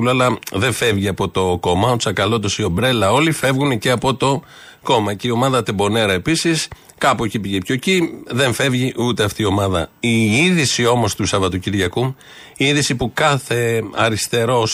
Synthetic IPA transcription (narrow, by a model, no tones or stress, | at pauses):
uloɐlɐðe̞fe̞vʝiɐpo̞t̪o̞ko̞mɐot̪sɐkɐlo̞t̪osio̞bɾe̞lɐo̞life̞vɣunece̞ɐpo̞t̪o̞ | ko̞mɐceio̞mɐðɐt̪ebo̞ne̞ɾɐe̞pisis | kɐpucipiʝepçociðe̞ɱfe̞vʝiʔut̪e̞ɐft̪iio̞mɐðɐ̰iiðisio̞mo̞st̪usɐvɐt̪ociɾʝɐku | iiðisipukɐθe̞ɐɾist̪e̞ɾo̞s